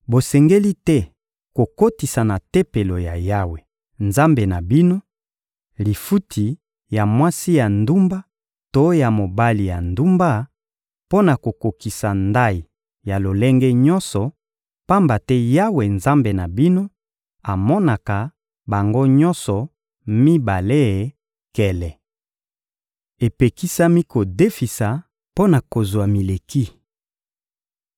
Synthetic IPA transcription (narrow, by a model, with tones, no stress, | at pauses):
bo˨sɛ˨ŋɡe˦li˦tɛ˦ | ko˨ko˦ti˨sa˨na˨te˦pe˨lo˨ja˨ja˦we˨ | nza˦mbe˨na˨bi˦no˦ | li˨fu˦tʰi˨ | ja˨mwa˦si˦ja˨ndu˦mba˦ | to˨˦ja˨mo˨ba˦li˨ja˨ndu˦mba˦ | po˦na˨ko˨ko˨ki˨sa˨nda˦i˨ | ja˨lo˨lɛ˦ŋɡɛ˦ɲɔ˦nsɔ˨ | pa˦mba˨tɛ˦ja˦we˨nza˦mbe˨na˨bi˦no˦ | a˨mɔ˦na˨ka˨ | ba˨ŋɡo˦ɲɔ̃˦nsɔ˨ | mi˦ba˨le˦e˨ | kɛ˨lɛ˨ | e˨pe˨ki˦sa˦mi˦ko˨de˦fi˨sa˨ | po˦na˨ko˨zwa˨mi˨le˨ki˦